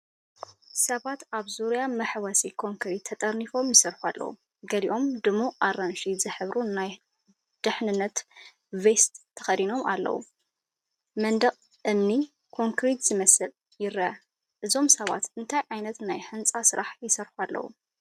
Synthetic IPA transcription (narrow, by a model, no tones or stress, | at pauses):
sɐβat̪aβzuɾjamɐħwɐsikʰo̞ŋkɾit̪ʰːɐt̪ʼɐɾnifo̞mjɪsɐɾħualːɐ̰wṵ | ɡɐliʔo̞md̪ɨmuʔaɾanʃizɨħɨβɾʔunaj | d̪̥ɨħnɨnːɐt̪ | vest̪ʰːɐ̥xɐd̪ino̞mʔa̰lːɐ̰wṵ | mɐnd̪ɐqʼ | ʔɨmni | kʰo̞ŋkɾit̪z̥ɨmɐsɨl | jɪɾɐ | ʔɨzo̞msɐβa̰t̪ɨnt̪ʰajʕajnɐt̪najħɨnt͡sʼasɨɾaħjɪsɐɾħualːɐ̰wṵ